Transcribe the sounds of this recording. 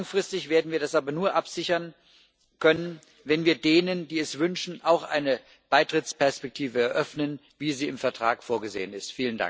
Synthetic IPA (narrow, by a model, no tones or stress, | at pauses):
lŋfʁ̥ɪstɪçv̥eːɐdn̩viːɐdasʔaːbɐnuːɐʔapz̥ɪçɐn | kʰœnən | vɛnviːɐdeːnəndiːɛsv̥ʏnʃn̩ʔaʊxʔa̰ɪnə | b̥aɪtʁ̥ɪt͡spɛɐspɛk̚tʰiːvəɛɐʔœfnən | viːziːɪmfɛɐtʁ̥aːkfoːɐɡəzḛːənɪstfiːlənda̰ŋk